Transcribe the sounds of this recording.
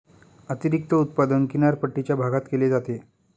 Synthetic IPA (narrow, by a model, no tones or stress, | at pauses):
ət̪iɾik̚t̪əut̪pad̪ənkinaɾpəʈːit͡ɕjabʱaɡat̪keled͡zat̪e